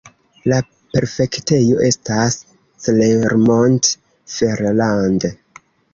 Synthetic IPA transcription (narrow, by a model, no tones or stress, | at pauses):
la | pe̞ɾfe̞kte̞jo̞ʔe̞stasː | leɾmont | feɾlande